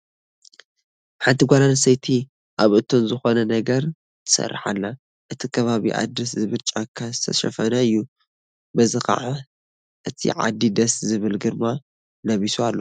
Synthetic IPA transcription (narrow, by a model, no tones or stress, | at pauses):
ħant̪ʰiɡʷalansɐjt̪ʰi | ʔaβʔɨt̪ʰːo̞nzɨxo̞nɐnɐɡɐɾ | t̪ʰɨ̥sɐ̰rːaħa̰lːa | ʔɨt̪ʰikʰɐβaβḭʔa̰d̪ɾɐs̬zɨβɨt͡ʃʼakʰːazɨt̪ʰɐ̰ʃɐ̰fɐnaɨjːu | bɐzɨxa̰ʕa | ʔɨt̪ʰḭʕa̰d̪ːid̪ɐszɨβɨlɡɨɾma | lɐβisualːo